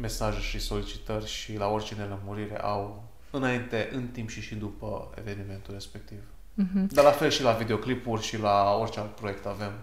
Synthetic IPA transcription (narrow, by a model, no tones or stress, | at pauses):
me̞saʒeʃiso̞lit͡ʃi̥t̪ərʲʃilao̞rt͡ʃeneləmuɾiɾḛʔaw | ɨnaint̪e̞ʔɨnt̪impʃiʃid̪upə̰e̞̰ve̞nime̞nt̪ulre̞spek̚t̪iv | d̪alafe̞lʃilavid̪e̞o̞klipurʲʃilao̞rt͡ʃealt̪̚pɾo̞je̞k̚t̪ave̞m